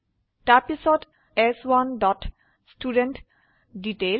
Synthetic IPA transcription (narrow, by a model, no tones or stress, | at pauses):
ʈapisɔt | ɛswanɖɔʈ | sʈuɖenʈ | ɖiʈel